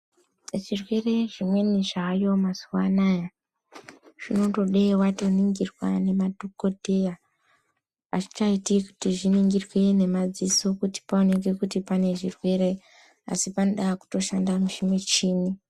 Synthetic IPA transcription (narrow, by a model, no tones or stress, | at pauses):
ʐirwe̞re̞ʐimwe̞niʐaːjo̞mazuwanaja | ʐ̥ino̞to̞ɗewatoniŋɡirwa̰ne̞madʱuko̞te̞ja | a̰t͡ʃi̥t͡ʃaitiku̥tiʐiniŋɡirwene̞mad͡zisokuti̥paone̞k̬e̞kutipane̞ʐirwe̞ɾe | a̰sipanoɗaːku̥to̞ʃandamuʃimet͡ʃiːni